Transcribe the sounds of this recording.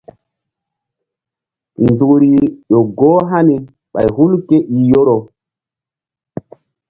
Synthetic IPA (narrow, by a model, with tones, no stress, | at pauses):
nzu˨ɾi˨jo˨ɡoː˦ɦa˦ni˨ | ɓa̰˨jɦu˦lke˦ʔi˨jo˦ɾo˨